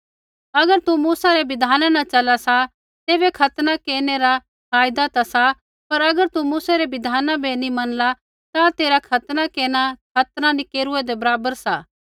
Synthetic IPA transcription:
ɐɡəɾt̪umuːsaɾebɪd̪ʱaːnanãt͡ʃɐlasa | t̪eːβekʰɐt̪nakeːneɾa | pʰaːjd̪at̪asa | pɐɾɐɡəɾt̪umuːsaɾebɪd̪ʱaːnãbʱenĩmɐnla | t̪at̪eːɾakʰɐt̪nakeːnakʰɐt̪nanikeːɾʊed̪ebɐɾaːbəɾsaː

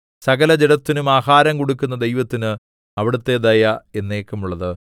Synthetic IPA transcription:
sɐɣɐlɐd͡ʑeɽɐt̪ːinumaːhaːɾɐmkoɽukːunːɐd̪e̞jʋɐt̪ːinɨ | ɐʋiɽut̪ːe̞d̪ɐjɐe̞nːeːkːɐmuɭːɐðɨ

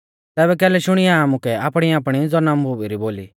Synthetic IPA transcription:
t̪ɛːbɛkɛːlɛʃʊɽ̃iaamukɛaːpɽ̃iaːp̬ɽ̃id͡zɔnambʱubiɾiboːlḭ

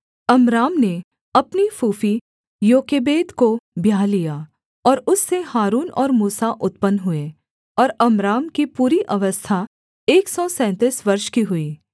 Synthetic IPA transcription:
ɐmɾaːmne | ɐpnifuːfi | joːkeːbeːd̪kobʱjaːlija | ɔːɾʊsːehaːɾuːnɔ̰ːɾmuːsaʔʊt̪pənɦʊeː | ɔːɾɐmɾaːmkipuːɾiʔɐʋəst̪ʰa | eːksɔsɛ̃ːt̪iːsʋɐɾʃkiɦʊiː

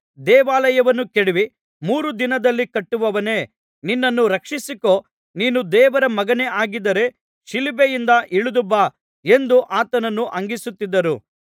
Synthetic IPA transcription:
d̪ɛːʋaːlɐjɐʋɐnːukeɽiʋi | muːɾud̪inɐd̪ɐlːikɐʈːuʋɐʋɐne̞ː | ninːɐnːuɾɐkʂisiko̞ː | niːnud̪ɛːʋɐɾɐmɐɡɐne̞ʔaːɡid̪ːɐɾe̞ | ʃilibejind̪ɐʔiɭud̪ubːa | e̞nd̪uʔaːt̪ɐnɐnːuʔɐŋɡisut̪ːid̪ːɐɾu

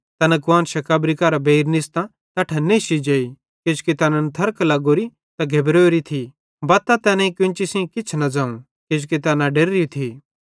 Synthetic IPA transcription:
t̪ɐnɐkʋaːnʃɐkaːbɾikɐɾabeiɾnɪst̪ã | t̪ɐʈʰɐnːeʃid͡ʒeːi | kɪd͡ʒkit̪ɐnɐnt̪ʰɐɾklɐɡoːɾi | t̪ɐɡʱebɾoːɾit̪ʰi | bɐt̪ːat̪ɛːnɐ̃ikjʊ̃nt͡ʃisĩkɪt͡ʃʰnɐd͡zaːũ | kɪd͡ʒkit̪ɐːnãɖeɾɾijut̪ʰiː

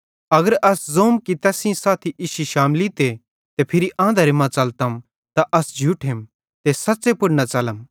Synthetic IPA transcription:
ɐɡəɾʔɐszoːmkit̪ɛːsĩsaːt̪ʰiʔiʃiʃaːmlit̪e | t̪epʰɪɾiʔãːnd̪ʱɐɾemãt͡sɐlt̪ɐm | t̪aʔɐsd͡ʒʱuʈʰem | t̪esɐtːsepʊɽnat͡ʃɐləm

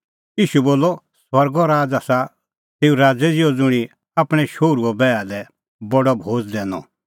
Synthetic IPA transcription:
iːʃuboːlːɔ | swɐɾɡɔɾaːd͡zaːsa | t̪eːũɾaːd͡zɛd͡zɪɔd͡zʊɽ̃i | apɽ̃ɛʃoːɾuɔbɛːad̪ɛ | bɔɖɔbʱoːd͡zd̪ɛːnɔ̰

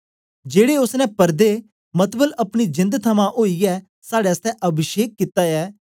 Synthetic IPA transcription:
d͡ʒeːɽeːʊsnɛ̃pəɾd̪eː | mət̪bələpɽ̃id͡ʒɪ̃nd̪t̪ʰəmãːʔoːiːɛː | saːɽeːəst̪ɛʔəbʱɪʃeːkːit̪aːɛː

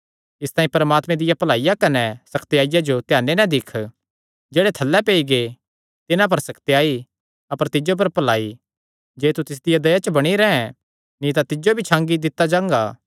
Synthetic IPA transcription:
ɪst̪aːĩpɐɾəmaːt̪mɛ̃d̪ɪjapɐlaːijakɐnɛsɐkʰt̪jaːɪjad͡ʒot̪jaːnːenɐ̃d̪ɪkʰ | d͡ʒeːɽet̪ʰɐlːɛpeːiɡe | t̪ɪnãp̬ɐɾsɐkʰt̪ejaːi | ɐpəɾt̪ɪd͡ʒop̬ɐɾpɐlaːi | d͡ʒeːt̪ut̪ɪs̬d̪ɪjad̪ɐjat͡ʃəbɐɽ̃iɾɛɛ̃ | nĩt̪at̪ɪd͡ʒobʱit͡ʃʰãːŋɡid̪ɪt̪ːad͡ʒãːŋɡaː

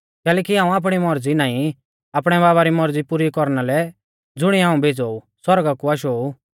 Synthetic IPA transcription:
kɛːlɛːkiɦãːũaːp̬ɽ̃imɔɾd͡zinaːĩ | aːpɽ̃ɛβaːβaɾimɔɾd͡zipuɾikɔɾñalɛ | d͡zʊɽ̃iɦãːũbʱeːd͡zoːu | swɔɾɡakuaːʃ̬oːu

